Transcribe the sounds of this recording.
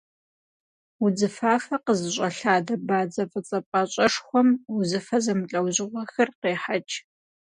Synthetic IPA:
ud͡zɨfaːfɐqəzɨɕʷʼɐɬaːdɐbaːd͡zɐfʼɨt͡sʼɐpʼɐɕʼɐʂxʷɔmʊzɨfɐzɐmɨɬʼɐwʑɪʁʷɔxɨrqeːħat͡ʃʼ

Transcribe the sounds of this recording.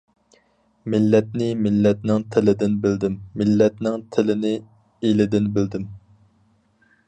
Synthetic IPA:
mɪlːɛt̪̚nɪmɪlːɛt̪̚nɪŋt̪ʰɪlɪd̪ɪnbɪld̪ɪmːɪlːɛt̪nɪŋt̪ʰɪlɪnɪ | elɪd̪ɪnbɪld̪ɪm

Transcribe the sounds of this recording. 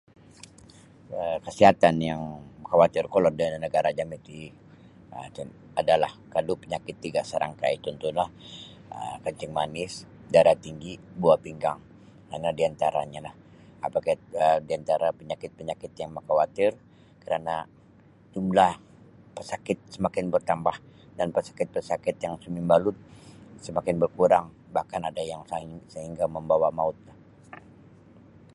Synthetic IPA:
əkəsiɦat̪anjaŋməkawat̪ɪrkɔlɔrdannəɡaɾad͡ʒamit̪i | ət̪n | adalahkalupəɲakɪt̪ːiɡasəɾʔa̰ŋka̰it̪unt̪ʊnlah | ə̰kəɲt͡ʃɪŋmanɪs | ɡaɾat̪iŋɡibuapiŋɡaŋ | kanadiant̪aɾa̰ɲalah | apakaədiant̪aɾapəɲakɪt̪̚pəɲakɪt̪jaŋməkawat̪ɪr | kəɾana | d͡ʒumlah | pəsakɪt̪̚səmakɪnbərt̪ambahdanpəsḁkɪt̪̚pəsakɪt̪jaŋsumimbalʊt̪̚səmakɪnbərkuɾaŋ | bahkanadajaŋsaɦɪŋsəɦiŋɡaməmbawamaʊt̪̚lah

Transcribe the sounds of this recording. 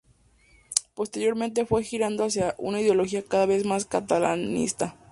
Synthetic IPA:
po̞st̪e̞ɾjo̞ɾment̪̬e̞fwe̞xiɾand̪oasjaʔṵnaiðjolo̞xiakaðaβe̞zmaskat̪ala̰nḭst̪a

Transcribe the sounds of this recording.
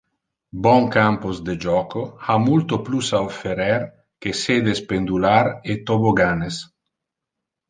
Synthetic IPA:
bɔŋkampozd̪ed͡ʒɔkoamult̪oplusaofeɾɛɾ | kesed̪espend̪ulaɾet̪oboɡanes

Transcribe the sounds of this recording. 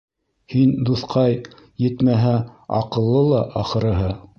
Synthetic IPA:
hind̪uθqʰɑj | jɘ̆t̪mæɦæɑqɤ̆lˠːɤlˠɑʔɑχɤ̆ɾɤ̆ɦɤ

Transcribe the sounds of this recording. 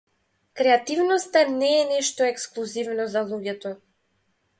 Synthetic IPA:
kɾɛat̪ivnɔst̪anɛːnɛʃt̪ɔɛksklˠuzivnɔzalˠuɟɛt̪ɔ

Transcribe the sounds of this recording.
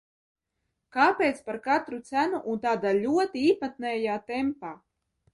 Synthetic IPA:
kaːpʲeːt̪spaɾkat̪ɾut̪sænuʔunt̪aːd̪aːlʲuɔt̪iiːpat̪nɛːjaːt̪ɛmpaː

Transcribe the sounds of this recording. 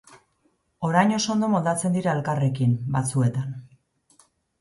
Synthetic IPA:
o̞ɾajɲo̞so̞nd̪o̞mo̞ld̪at͡se̞nd̪iɾaelkare̞kimbat͡sue̞t̪an

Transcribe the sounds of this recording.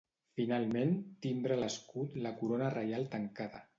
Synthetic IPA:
finalˠment̪ind̪ɾələskut̪ləkuɾonərəjalˠt̪əŋkaðə̰

